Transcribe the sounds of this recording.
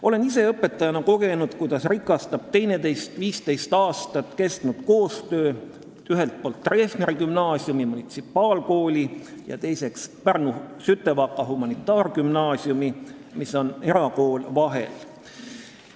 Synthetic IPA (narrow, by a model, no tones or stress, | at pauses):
o̞le̞nise̞ɤpːˑe̞t̪ˑːɑjɑnɑko̞ɡ̥e̞nud̪̥kujd̪̥ɑsrikːˑɑst̪ɑb̥̚t̪e̞jne̞t̪e̞jst̪viːst̪e̞jst̪ɑːst̪ɑt̪ːˑke̞st̪nud̪̥ko̞ːst̪øː | yɦe̞lt̪̚po̞ːlt̪ːreːsneɾikymnɑːsjumimunit̪sipːˑɑːlko̞ːlʲijɑ̰t̪e̞jse̞kspærnusyt̪ːˑe̞vɑkːˑɑɦumɑnit̪ːˑɑːrkymnɑːsjumi | miso̞ne̞ɾɑko̞ːlvɑɦe̞̰l